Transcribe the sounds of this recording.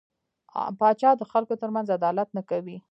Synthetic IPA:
pɑt͡ʃɑd̪əxalkot̪əɾmanzad̪ɑlat̪nakawi

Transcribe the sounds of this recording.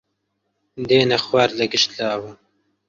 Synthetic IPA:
d̪eːnɐxwɐɾlɐɡɪʃt̪laːwɐ

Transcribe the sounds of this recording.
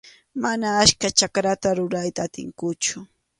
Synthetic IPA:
manaːʃkat͡ʃakɾat̪aɾʊɾajt̪aːt̪ɪ̰ŋkʊt͡ʃʊ

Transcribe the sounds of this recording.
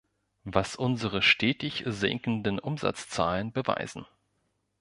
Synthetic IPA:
vasʔʊnzəʁ̞əʃtʰɛːtɪçzɪ̰ŋkn̩dən̩ʔʊmza̰t͡st͡saːlənbəva̰ɪzn̩

